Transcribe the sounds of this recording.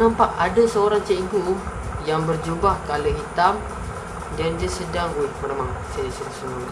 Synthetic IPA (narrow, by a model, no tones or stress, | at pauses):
nampaʔadasəoɾaŋt͡ʃəiɡujaŋbərd͡ʒubahkalaɦit̪am | dand͡ʒasədaŋuik̪̚memaŋsajəsulusənuɾi